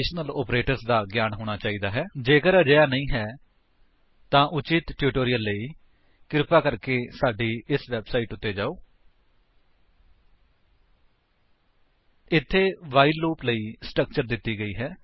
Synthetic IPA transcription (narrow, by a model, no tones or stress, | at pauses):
ʃnəlɔːpɾeːʈəɾsd̪aːɡjaːnɦoːɽ̃aːt͡ʃaːiːd̪aːɦɛːd͡ʒeːkəɾəd͡ʒəjaːnəĩːɦɛː | t̪ãːʔʊt͡ʃɪt̪ʈjuːʈoːɾɪjəlːəiː | kɪɾɪpaːkəɾkeːsaːɖiːɪsʋɛːbsaːiːʈʊt̪ːeːd͡ʒaːoː | ɪt̪ʰːeːʋaːiluːpləiːsʈɾək̚t͡ʃəɾd̪ɪt̪ːiːɡəiːɦɛː